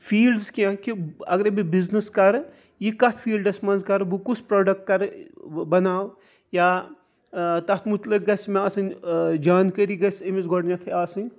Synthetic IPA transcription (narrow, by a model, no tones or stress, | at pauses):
fʰiːlɖzkiãkiɐɡɐɾebibiznəskɐɾ | jikɐt̪ʰfʰiːlɖɐsmɐnzkɐɾbukusʰpɾoːɖɐk̚ʈ̚kɐɾbɐnaːw | jaː | t̪ɐt̪ʰmut̪lɐk̚ɡɐsmẽaːsɐnd͡ʒaːnkəɾiɡɐsɐmisɡoɽnʲɐt̪ʰɐaːsɨnʲ